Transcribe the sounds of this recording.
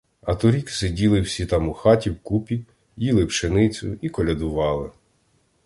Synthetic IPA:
ɐt̪ʊɾʲiksɪdʲilˠɪwsʲit̪ɑmʊxɑtʲiwkupʲi | jilˠɪwʃenɪt͡sʲʊ̰ikɔlʲɐd̪ʊʋɑlˠɪ

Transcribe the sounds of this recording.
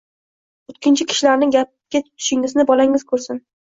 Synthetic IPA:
ʊt̪̚kʲɪnt͡ʃʰɪkʲʰɪ̥ʃlaɾnɪŋɡʲap̚kʲat̪ʊt̪ʰʊ̥ʃɪŋɪznɪbɒlaŋɪz̥kʰɵɾsɪn

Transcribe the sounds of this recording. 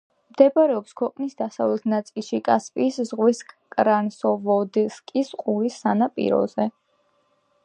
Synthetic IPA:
md̪̥ɛpʼaɾɛɔpskʰwɛqʼnisd̪asavlɛt̪ʰnat̪sʼilˠʃikʼaspʼiːszʁwiskʼɾansɔvɔd̪ɛskʼisqʼuɾisːanapʼḭɾɔ̰zɛ

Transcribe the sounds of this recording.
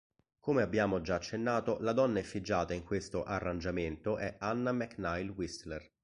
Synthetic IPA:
komeabːjaːmod͡ʒaːt͡ʃːenːaːt̪olad̪ɔnːaɛfːid͡ʒːaːt̪aiŋkwest̪oʔarːand͡ʒament̪oʔɛanːamɛknajlwist̪ler

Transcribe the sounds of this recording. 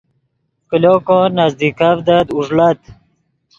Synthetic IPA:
kilokõnazd̪ikavd̪ad̪uʐlat̪

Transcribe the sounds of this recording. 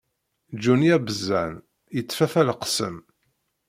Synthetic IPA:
d͡ʒunijæbəzːæn | jət͡sːfæfælqsə̰m

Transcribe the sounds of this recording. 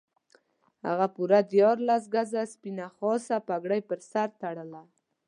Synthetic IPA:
ha̰ɣapuɾad̪jɑɾlas̬ɡazaspinaxɑsapaɡɽajpəɾsaɾt̪aɽəla

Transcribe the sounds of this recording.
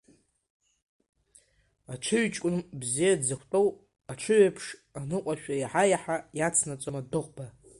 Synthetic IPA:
aʈ͡ʂʰɨɥt͡ʃʼkʷʼʊnbzijadzakʷʰtʼow | aʈ͡ʂʷʰɨɥapʰʂanɨqʷʼaʃᶣaiħajaħajat͡sʰnat͡sʼomadɨqʷʼba

